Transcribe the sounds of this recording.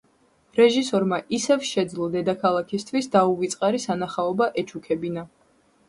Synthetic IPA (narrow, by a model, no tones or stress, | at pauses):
ɾɛʒisɔɾmaʔisɛvʃɛd̪zlˠɔd̪ɛd̪akʰalˠakʰist̪ʰwisd̪auvit̪sʼqʼaɾisanaχaɔbaʔɛt͡ʃʰukʰɛbina